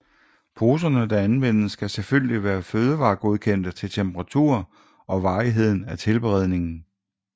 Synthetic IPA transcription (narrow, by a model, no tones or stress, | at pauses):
pʰo̝ːs̬ɐnəd̥æ̈ænʋen̰əsːɡ̥æselføl̰liʋæːɐføːð̞ˠəʋɑ̈ːɡ̥o̝ð̞ˠkʰen̰d̥ət͡sʰe̝lt͡sʰemb̥əʁɑ̈t͡sʰṵɐ̰ | ɒ̽ʋɑ̈ːiɦe̝ð̞̰ˠn̩æt͡sʰe̝lb̥eʁɛð̞̰ˠne̝ŋn̩